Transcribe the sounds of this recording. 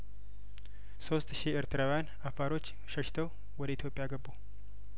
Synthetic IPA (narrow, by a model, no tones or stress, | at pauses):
so̞st̪ʃieɾt̪ʰəɾawjan | afaɾo̞t͡ʃː | ʃəʃt̪ʰəw | wɔd̪əit̪jo̞pʼːjaɡəbːo